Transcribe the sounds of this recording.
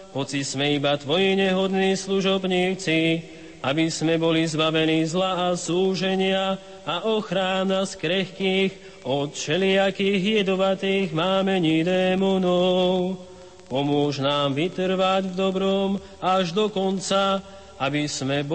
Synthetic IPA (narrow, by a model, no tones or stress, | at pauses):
ɦɔt͡sizmɛibat̪ʋɔjiɲɛɦɔd̪niːsluʒɔbɲiːt͡si | abizmɛbɔlizbaʋɛniːzlaasuːʒɛɲɪaː | ʔɔxɾaːnaskɾɛxkiːɣ | ɔt̪ʃɛlɪakiɣjɛd̪ɔʋat̪iːɣmaːmɛɲid̪ɛːmunɔw | pɔmʊɔʒnaːmʋit̪r̩ʋaɟvd̪ɔbɾɔm | aʒd̪ɔkɔnt͡sa | abismɛb